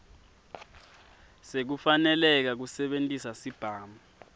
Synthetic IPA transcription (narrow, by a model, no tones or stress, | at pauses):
sek̬ufanɛlɛk̬ak̬usɛɓentʼisasib̥ʱaːma